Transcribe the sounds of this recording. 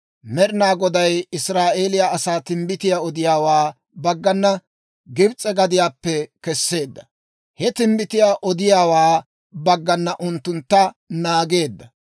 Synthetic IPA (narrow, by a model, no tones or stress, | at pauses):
mɛɾɪnaːɡɔd̪ɐjɪsɾaːʔeːlɪjaːɐsaːt̪ɪmbɪt̪ɪjaɔd̪ɪjaːwaː | bɐɡːɐnːɐ | ɡɪbt͡sʼːɛɡɐd̪ɪjaːpːɛkɛsːe̞ːd̪ːɐ̥ | hɛt̪ɪmbɪt̪ɪjaʔɔd̪ɪjaːwaː | bɐɡːɐnːɐʔʊnt̪ːʊnt̪ːɐ | naːɡe̞ːd̪ːɐ